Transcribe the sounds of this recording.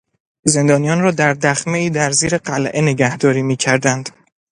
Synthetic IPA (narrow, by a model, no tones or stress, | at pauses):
ze̞nd̪ɒːnijɒːnrɒːd̪æɾd̪æxmeiːd̪æɾziːɾe̞ɢælʔene̞ɟæhd̪ɒːɾiːmiːcʰæɾd̪ænd̪̥